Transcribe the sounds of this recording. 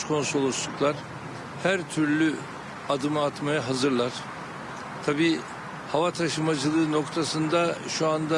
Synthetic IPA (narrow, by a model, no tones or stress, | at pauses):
kʰo̞nsolˠuslˠuklˠaɾ̥ | hæɾt̪ʰyɾlʲy | ad̪ɯmɯat̪majaɦazɯɾlˠaɾ̥ | t̪ʰabiː | havat̪ʰaʃɯmad͡ʒɯlˠɯːno̞kt̪ʰasɯnd̪aʃuand̪a